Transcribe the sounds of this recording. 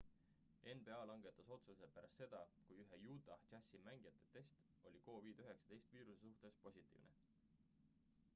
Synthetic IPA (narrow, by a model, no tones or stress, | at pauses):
e̞nbe̞ɑːlɑŋɡ̥e̞t̪ːˑɑso̞t̪suse̞pæɾɑst̪se̞d̪̥ɑkujyɦejuːd̪ɑt͡ʃæsimæŋɡ̥ijɑt̪ːˑe̞t̪e̞st̪ | o̞lʲiko̞ːviːd̪̥yɦe̞ksɑ̥t̪e̞jst̪viːɾusesuht̪e̞spo̞sʲit̪ːˑḭːvne